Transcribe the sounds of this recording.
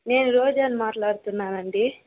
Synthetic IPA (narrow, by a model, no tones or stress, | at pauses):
ne̞ːnuɾoːd͡ʒaːnumaːʈlaːɽut̪unːaːnɐɳɖi